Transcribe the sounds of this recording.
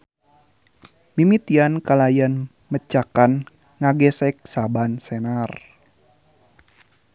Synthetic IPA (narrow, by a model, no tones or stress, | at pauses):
mimit̪iankalajan | mət͡ʃakan | ŋaɡɛsɛk̚sabansɛnar